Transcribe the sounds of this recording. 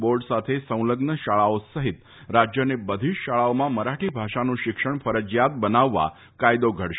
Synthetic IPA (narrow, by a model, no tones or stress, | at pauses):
boɾɖsat̪ʰesə̃w̃ləɡnəɕaɭaosəɦit̪ | ɾad͡ʑjənebəd̪ʱiɕaɭaomãməɾaʈʰiːbʱaʂanũɕikʂəɳ̃fəɾəd͡ʑjat̪̚bənaʋːa̰ | kajd̪oɡʱəɽʃ